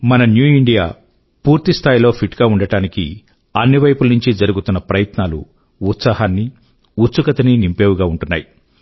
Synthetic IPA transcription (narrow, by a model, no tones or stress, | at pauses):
mɐnɐnjuːiɳɖijaː | puːɾt̪ist̪ʰaːjilo̞ːpʰiʈɡaːuɳɖɐɽaːnikḭ | ɐnːiʋɐjpulnuɲt͡ʃid͡ʒɐɾuɡut̪unːɐpɾɐjɐt̪naːlṵː | t̪saːɦaːnːi | ut̪sukɐt̪ɐninimpe̞ːʋuɡaːuɳʈunːaːji